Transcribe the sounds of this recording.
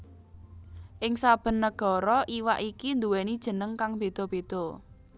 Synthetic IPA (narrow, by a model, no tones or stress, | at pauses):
ʔɪŋsab̥ə̤nːəɡ̥ɔ̤ɾɔʔiwa̰ʔikind̪uwɛnid̥ʒ̥ə̤nəŋkaŋb̥ed̪̥ɔ̤b̥ed̪̥ɔ̤